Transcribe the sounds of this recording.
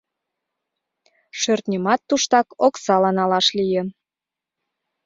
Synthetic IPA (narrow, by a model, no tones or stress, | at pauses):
ʃørt̪nʲəmɑt̪ːuʃt̪ɑkoksɑlɑnɑlɑʃlijən